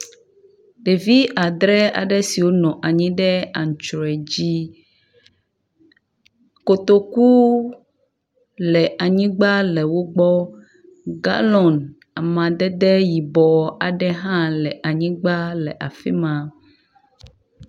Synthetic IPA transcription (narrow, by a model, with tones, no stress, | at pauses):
ɖe˨vi˦a˨d̪ɾɛ˦a̰˨ɖɛ˦si˨wo˦nɔ̃˨ʔa˨ɲĩ˦ɖɛ˦a˨ŋ˨t͡ʃɾɔ˨ɛ˨d͡ʑi˦ | ko˨t̪o˦ku˦ | lɛ˨ʔa˨ɲĩ˦ɡ͡ba˦lɛ˨wo˦ɡ͡bɔ˦ | ɡa̰˦lɔ̃˨n | a˨mã˨d̪ɛ˦d̪ɛ˦ji˨bɔ˨a˨ɖɛ˦ɦã˦lɛ˨ʔa˨ɲĩ˦ɡ͡ba˦lɛ̰˨ʔa˨fɛ̰˦mã˨